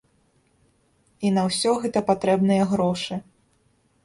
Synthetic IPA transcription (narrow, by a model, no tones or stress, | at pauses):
inɐwsʲɔɣɛt̪ɐpat̪ɾɛbnɨjɐɣɾɔʂɨ